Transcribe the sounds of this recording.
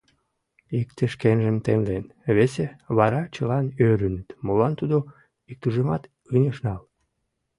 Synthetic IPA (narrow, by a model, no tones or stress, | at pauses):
ikt̪əʃkenʒəmt̪emlen | βeseβɑɾɑt͡ɕəlɑnøɾynət̪molɑnt̪ud̪o | ik̚t̪uʒemɑt̪ | ɯnʲeʃnɑl